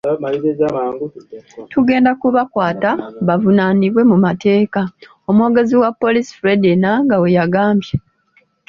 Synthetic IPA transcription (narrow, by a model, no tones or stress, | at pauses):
maized͡ʒamaːŋɡutʰuɡe̞ːndakuβakwaːtaβavunaːniβwe̞mumate̞ːka | o̞muwo̞ːɡe̞ziwapːo̞lisi̥fɾedinaŋɡawejaɡaːmbje